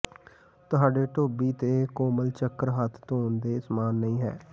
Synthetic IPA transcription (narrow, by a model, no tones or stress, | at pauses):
t̪ʊɦaːɖeːʈoːbiːt̪eːkoːməlt͡ʃəkːəɾɦət̪ʰt̪oːnd̪eːsmaːnːəĩːɦɛ̰ː